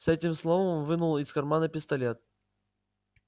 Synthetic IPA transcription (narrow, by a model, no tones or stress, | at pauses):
sɛtʲɪmslˠovəmmnvɨnulˠɪskɐrmanəpʲɪst̪ɐlʲet̪̚